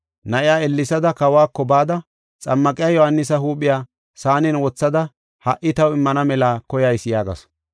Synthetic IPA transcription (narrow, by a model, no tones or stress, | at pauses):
nɐʔɪjaːɛlːɪsɐd̪ɐkɐwaːkːɔbaːd̪ɐ | t͡sʼɐmːɐkʼɪjaːjɔhɐnːɪsɐɦuːɓɪjaː | saːnɪnwɔt͡sːɐd̪ɐ | hɐʔɪt̪ɐwɪmːɐnɐmɛlaːkɔjɐjsɪjaːɡɐ̰s